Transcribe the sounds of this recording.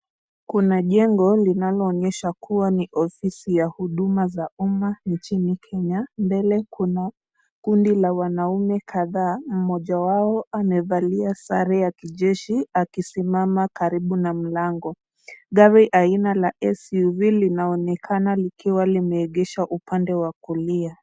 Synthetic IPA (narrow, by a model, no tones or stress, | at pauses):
kunaʄɛŋɡɔlinalɔːɲɛʃakuwaniʔɔfisijahuɗumazaumant͡ʃinikʰɛɲambɛlɛkʰuna | kundilawanaumɛkʰaðaːm̩mɔʄawaɔamɛvaliasa̰ɾɛjakiʄɛʃiakisimamakaɾiɓunam̩laŋɡɔ | ɠaɾiʔainalaʔɛsuvilinaɔnɛkʰanalikiwalimɛːɠɛʃaʔupandɛwakulia